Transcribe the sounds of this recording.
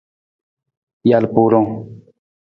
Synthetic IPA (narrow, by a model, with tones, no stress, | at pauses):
ja˨lpuːɾõ˦ŋ